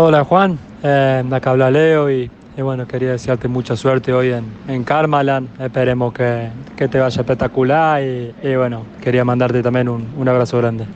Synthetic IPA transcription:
olaxwan | eakaβlaleoi | iβwenokeɾiaðesjaɾt̪emut͡ʃasweɾt̪eo̞jeneŋkaɾmalanehpeɾemoskeket̪eβaʒaepek̚t̪akulaɾɾiːβwe̞noke̞ɾiamãnd̪aɾt̪et̪ambjẽnununaβ̞ɾasoɣɾand̪e

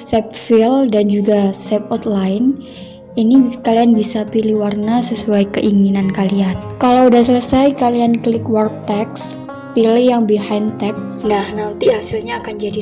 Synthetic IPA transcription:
sɛp̚fildand͡ʒuɡasɛp̚ɔt̪lajn | inikalianbisapilihwarnasəsuajkəʔiŋinankaliankalawudahsələsajkaliankəlɪkwark̚t̪ɛks | pilɪhjaŋbiɦajnt̪ɛk̚snahnant̪ihasilɲaːkand͡ʒadi

